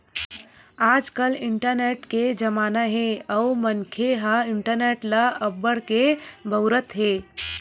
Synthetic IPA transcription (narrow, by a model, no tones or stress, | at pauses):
aːd͡ʒkəlɪɳʈəɾneʈked͡ʒəmaːnaɦeəumənkʰeɦaɪɳʈəɾneːʈlaəbːəɽkebʱəʊɾət̪ɦeː